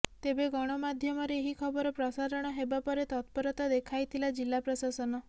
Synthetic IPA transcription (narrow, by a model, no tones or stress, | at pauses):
t̪ebeɡɔɽ̃ɔmad̪ʱjɔmɔɾeeɦikʰɔbɔɾɔpɾɔsaɾɔɽ̃ɔɦebapɔɾet̪ɔt̪̚pɔɾɔt̪ɔd̪ekʰajt̪ʰilad͡ʒilːapɾɔsasɔnɔ